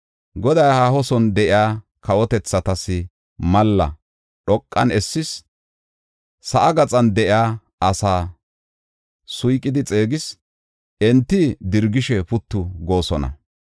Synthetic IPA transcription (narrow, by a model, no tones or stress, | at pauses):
ɡɔd̪ɐjhaːhɔsɔnd̪ɛʔɪaː | kɐwɔt̪ɛt͡sːɐt̪ɐsɪ | mɐlːɐ̰ | ɗɔkʼːɐnɛsːɪs | sɐʔɐɡɐt͡sʼɐnd̪ɛʔɪaː | ɐsaː | sʊjkʼːɪd̪ɪt͡sʼe̞ːɡɪs | ɛnt̪ːɪd̪ɪɾɡɪʃɛpʊt̪ːʊɡo̞ːsɔnɐ̰